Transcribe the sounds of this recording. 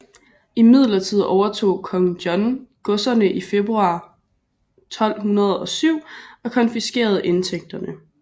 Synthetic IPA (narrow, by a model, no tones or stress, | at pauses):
imið̞̰ˠlɐt͡sʰið̞̰ˠɒʊɐt͡sʰo̝̰ːkʰɒ̽ŋdjɒ̽nɡ̥ɔ̽sɐnəʔife̝b̥ʁuɑ̈ː | t͡sʰɒ̽l̰ɦunɐð̞ˠɒ̽syʊ̰ɒ̽kʰɒ̽nfisɡ̥e̝̰ːɐð̞̩ˠʔe̝nt͡sʰeɡ̥̚d̥ɐnə